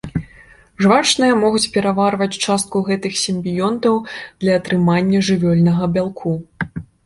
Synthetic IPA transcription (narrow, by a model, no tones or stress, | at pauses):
ʐvat͡ʂnɨjɐmɔɣut͡sʲpʲɛɾavarvɐt͡sʲt͡ʂast̪̚kuɣɛt̪ɨxsʲimʲbʲijɔnt̪ɐwd̪̥lʲɐːt̪ɾɨmanʲːɐʐɨvʲɔlʲnɐɣɐbʲalˠkʰu